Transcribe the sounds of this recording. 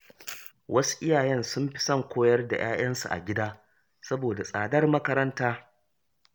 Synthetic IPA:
wʔɐ˦su̥˦ʔɪ˦jaː˨jɛ˦nsʊ˦mɸɪ̥˦sɐ˦˨ŋkʷoː˦jɐ˦rda̰˨j̰aː˦j̰ɐ˦nsṵ˨ʔa̰˨ɡʲɪ˦daː˦ | sɐ˦boː˨da˨sʼaː˨dɐ˦rmɐ˦kɐ˦ɾɐ˦ntaː˦

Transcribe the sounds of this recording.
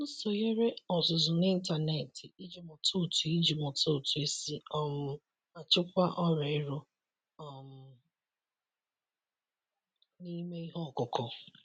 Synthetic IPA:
n̩˦so˨ɣe˦ɾe˦ɔ˨zʊ˨zʊ˨nɪ˦n̩˦ta˨ne˨tɪ˨i˦d͡ʒi˨mɔ˨tʰo˦˨tu˨i˦d͡ʒi˨mɔ˨to˦˨tu˨e˦si˦ɔ˦mʊ˦ | a˨t͡ʃɪ˦kʷa˦ʔɔ˦ɾe˨ɪ˦ɾʊ˦ | ɔ˨m̩˦ | ni˦me˦i˦ɦɔ˦˨kʊ˨kʊ˨

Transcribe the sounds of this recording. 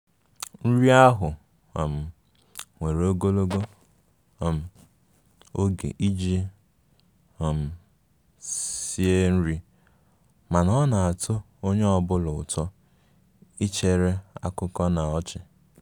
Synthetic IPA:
n̩˦ɾi˦a˦ɦʊ˨ | m̩˨ | ŋʷe˨ɾo˦ɡo˦lo˦ɡo˦˨ | m̩˨ | o˦ɡḛ˨ʔi˦d͡ʒi˦˨ | m̩˨ | i˦e˦n̩˦ɾi˦ | ma˨nɔ˦na˨a˨tʰo˦ | o˦ɲe˦ɔ˨bʊ˦lʊ˨tʰɔ˦ | i˦t͡ʃe˨ɾe˦a̰˦kʊ˦kɔ˦na˨ɔ˦t͡ʃɪ˨

